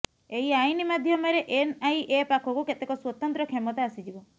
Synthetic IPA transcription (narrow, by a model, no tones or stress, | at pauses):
eɦiajnimad̪ʱjɔmɔɾeʔenajʔepakʰɔkuket̪ekɔswɔt̪ɔnt̪ɾɔkʰemɔt̪aasid͡ʒibɔ